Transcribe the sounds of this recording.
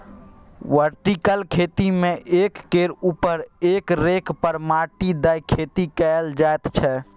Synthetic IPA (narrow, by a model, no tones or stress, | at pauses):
ʋəɾʈikəlkʰet̪imẽʔekːeɾupəɾekɾekpəɾmaʈid̪əjkʰet̪ikɛld͡ʒaet̪t͡ʃʰɛ